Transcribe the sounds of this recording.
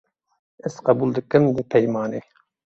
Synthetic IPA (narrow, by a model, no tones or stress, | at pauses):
ɪz̥qɑbulˠd̪ɨkʲːɪmd̪ɪpʰɛjmɑːnɨ